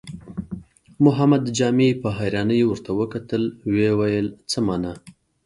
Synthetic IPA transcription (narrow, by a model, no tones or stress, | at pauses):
mʊɦamad̪d͡ʒɑmepəɦajɾɑnəjewəɾt̪awəkat̪əlwewajəlt͡səmɑna